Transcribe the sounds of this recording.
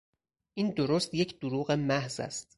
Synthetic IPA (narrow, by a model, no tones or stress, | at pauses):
ʔiːnd̪oɾost̪je̞cʰd̪̥oɾuːɣe̞mæhzæ̰st̪̚